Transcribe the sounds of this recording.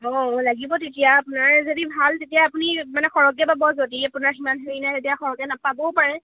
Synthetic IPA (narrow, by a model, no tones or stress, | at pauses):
ɔ̃laɡibɔtetijaːpʊnaɹzodibʱaltetijaːpunimanɛxɔɹɔkɛbabɔzodiapʊnaɹkimanɦeɹinatetijaxɔɹɔkɛnapabɔpaɹɛ